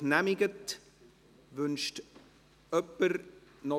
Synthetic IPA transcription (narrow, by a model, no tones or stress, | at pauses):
næmɪɡət | vʏnʃt | œpːəɾnɔ